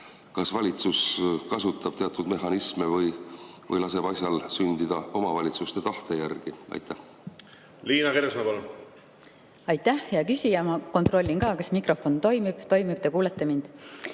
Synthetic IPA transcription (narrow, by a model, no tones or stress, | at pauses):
kɑsvɑlʲit̪suskɑsut̪ːˑɑb̥t̪e̞ɑt̪ːˑud̪̥me̞ɦɑnismevɤjvɤ̰jlɑse̞b̥ɑsʲjɑlsynd̪̥id̪̥ɑo̞mɑvɑlʲit̪sust̪e̞t̪ɑht̪e̞jærɡ̥iɑ̰jt̪ːæ | liːnɑkeɾsonɑpɑlun | ɑjt̪ˑːæhjɑkysʲijɑmɑko̞nt̪ro̞lʲːinkɑːkɑsmikro̞fo̞nt̪o̞jmib̥t̪o̞jmib̥̚t̪e̞kuːlet̪ːˑemind̪̥